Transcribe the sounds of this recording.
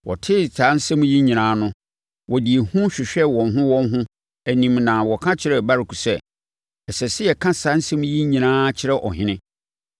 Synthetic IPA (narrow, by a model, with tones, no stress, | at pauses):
wɔ̰˨tʰɪ˦sʰa˨˦n̩˦sɛ̃˦m̃˦ji˦ɲĩ˨nãː˨˦nʊ̃˦ | wɔ˨di˨e˨hũ˦ɕᶣɪ˨ɕᶣɛ˦wɔ̃˨n˨ɦʊ̃˦wɔ̃˦n˦ɦʊ̃˦ | æ˨nĩ˨mnã˨wɔ˨kʰã˦t͡ɕʰɪ˨ɾɛ˦˨ba˦ɾɪ˨kʰu˨sɛ˦˨ | ɛ˨sɛ˨sɪ˦jɛ˨kʰã˦sa˨˦n̩˦sɛ̃˦m̃˦ji˦ɲĩ˨nãː˦t͡ɕʰɪ˦ɾɛ˦ʔɔ˨ɦɪ̃˦nɪ̃˦